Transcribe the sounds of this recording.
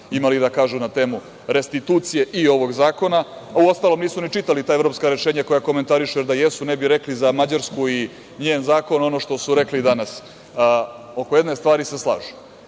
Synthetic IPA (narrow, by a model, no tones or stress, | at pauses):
imalid̪akaːʒunat̪e̞ːmu | ɾe̞st̪it̪uːt̪sije̞ʔio̞ʋo̞ɡzaːko̞na | uo̞st̪alˠo̞mniːsunit͡ʂit̪alit̪aːevɾo̞pskaɾe̞ʃe̞ːɲako̞jako̞ment̪aɾiʃujeɾd̪ajesunebiɾe̞klizamad͡ʑaɾskui | ɲeːnzaːko̞no̞no̞ʃt̪o̞suɾe̞klid̪anas | o̞ko̞je̞d̪ne̞st̪ʋaːɾise̞slˠa̰ːʒu̥